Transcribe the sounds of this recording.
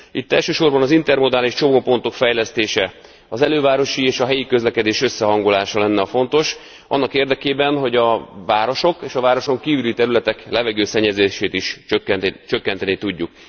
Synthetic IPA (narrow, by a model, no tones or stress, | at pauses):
it̪ːɛ̰lʃøːʃo̞rbɒnɒzint̪ɛrmo̞d̪aːliʃt͡ʃo̞moːpo̞nt̪o̞kfɛjlɛst̪eːʃɛ | ɒzɛløːvaːɾo̞ʃieːʃɒɦɛjikø̞zlɛkɛd̪eːʃø̞sːɛɦɒŋɡolaːʃɒlɛnːɛɒfo̞nt̪o̞ʃ | ɒ̰nːɒkeːrd̪ɛkeːbɛnɦo̞ɟɒvaːɾo̞ʃo̞keːʃɒvaːɾo̞ʃo̞ŋkiːvylit̪ɛɾylɛt̪ɛklɛvɛɡøːsɛɲːɛzeːʃeːt̪iʃt͡ʃøkːɛt͡ʃøkːɛnt̪ɛnit̪uɟːuk